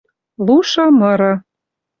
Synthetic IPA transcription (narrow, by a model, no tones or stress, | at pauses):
luʃɤ̆mɤ̆ɾɤ̆